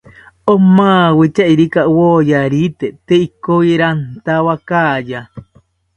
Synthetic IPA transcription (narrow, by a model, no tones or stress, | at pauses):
omãwit͡ʃaiɾikawojaɾit̪et̪eikoiɾant̪awakaːja